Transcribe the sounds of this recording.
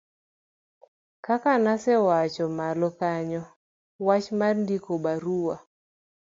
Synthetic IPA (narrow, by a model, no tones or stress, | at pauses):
kakanasɛwat͡ʃɔmalɔkaɲɔ | wat͡ʃmarndikobaɾuwa